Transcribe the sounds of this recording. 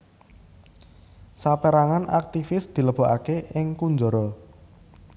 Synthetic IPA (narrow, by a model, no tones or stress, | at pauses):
sapeɾaŋana̰k̚t̪ifɪsd̪̥i̤ləb̥ɔ̤ʔakeɪŋkund͡ʒɔɾɔ